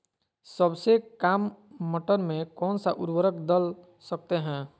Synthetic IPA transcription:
səbsekaːmːəʈənmẽkɔːnsaʔʊɾwəɾəkd̪əl | sək̚t̪eɦɛ̃ː

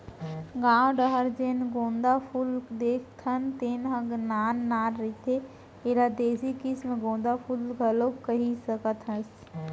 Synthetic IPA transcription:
ɡãːwɖəɦəɾd͡ʒenɡõːnd̪apʰuːld̪eːkʰt̪ʰənt̪eːnɦə̃ɡnaːnːaːɾɾit̪e | eɾad̪eːsikismẽɡõːnd̪apʰuːlɡʱɐlokəɦisəkət̪ɦəs

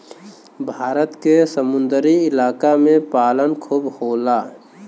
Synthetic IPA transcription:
bʱaːɾət̪kesəmʊ̃nd̪əɾiɪlaːkamẽpaːlənkʰubhoːla

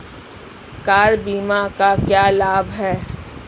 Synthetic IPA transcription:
kaːɾbiːmakakjaːlaːbɦɛː

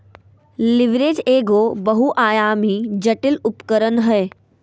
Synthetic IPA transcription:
lɪʋɾeːd͡ʒeːɡoːbəɦuʔaːjaːmid͡ʒɐʈɪlʊpkəɾənɦəe

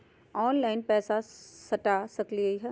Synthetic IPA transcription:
ɔːnlaːɪnpɛːsasɐʈaːsɐkliəiɦɛ

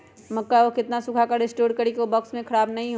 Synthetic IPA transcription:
mɐkːaʋokɪt̪nasʊkʰakaɾesʈoːɾɖkɐɾikiobɔːksmẽkʰɐɾaːbnɐɦĩɦ

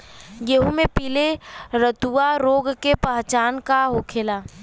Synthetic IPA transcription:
jeɦumẽpiːleɾət̪uaɾoːɡkepəɦt͡ʃaːnkaɦokʰeːla

